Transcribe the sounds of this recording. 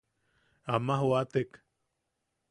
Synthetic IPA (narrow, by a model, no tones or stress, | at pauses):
amaɦoat̪ek